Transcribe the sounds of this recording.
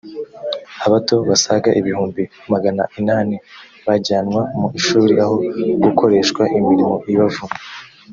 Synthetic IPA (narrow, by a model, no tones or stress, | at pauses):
aβato̞βasaɡaʔiβihuːmbi | maɡana̰ʔinaːni | βaɟaːnwamuiʃuːɾiʔaho̞ɡukʰo̞ɾe̞ːʃkwaʔimiɾimo̞ʔiβavu